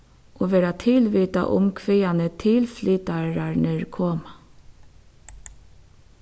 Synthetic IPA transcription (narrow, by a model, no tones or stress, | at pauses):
ʔoːʋeːɾat̪ʰɪlʋiːt̪a̰ʔʊ̰mkʰʋeːanət̪ʰɪlfliːt̪aɹaɹnɛɹkʰoːma